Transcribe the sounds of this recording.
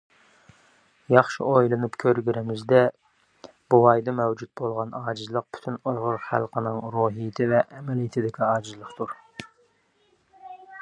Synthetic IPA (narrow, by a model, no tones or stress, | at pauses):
jɑχʃɪ̰ojlˠɨnupkʲʰøɾɡʲyɾɪmɪzd̪ɛ | b̥uwɑjd̪ɑmɛwd͡ʒut̪̚bolˠʁɑnɑːd͡ʒɨzlˠəq̚pʰy̥t̪ʰynujʁʊɾχæ̰lˠqʰənɨŋɾuːɦijɪt̪ʰɪvɛʔːmɛlijɪt̪ʰɪd̪ɪkʲʰiɑːd͡ʒɨzlˠəqt̪ʰuɾ